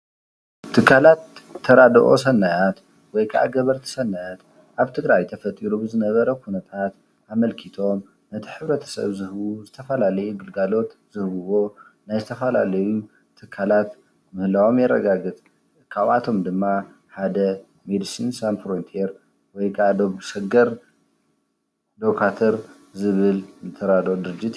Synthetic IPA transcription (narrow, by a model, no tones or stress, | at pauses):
t̪ʰɨkʰːalat̪ʰːɐɾad̪ɐʔo̞̰sɐnːajat̪ | wɔjkʰa̰ʔa̰ɡɐβɐɾt̪ʰi̥sɐnːajat̪ | ʔaβt̪ʰɨɡɾajt̪ʰɐfɐt̪ʼiɾubɨzɨnɐβɐɾɐkʰunɐt̪ʰat̪ | amɐlkʰit̪ʰo̞m | nɐt̪ʰiħɨβɾɐt̪ʰɐ̥sɐ̰βzɨhβuzɨt̪ʰɐfɐlalɐjuɡɨlɡalo̞t̪z̥ɨhβɨwo̞ | najzɨt̪ʰɐfɐla̰lɐju | t̪ʰɨkʰːalat̪ | mɨhlawo̞mjɛɾːɐ̰ɡaɡɨt̪ʼ | kʰaβʔat̪ʰo̞md̪ɨmːa | ħad̪ɐ | med̪ɨsinsanfɾont̪ʰieɾ | wɔjkʼad̪omsɐɡɐɾ | d̪okʰat̪ʰɐɾ | zɨβɨlnɨt̪ʰːɐɾad̪od̪ɨɾɨd͡ʒit̪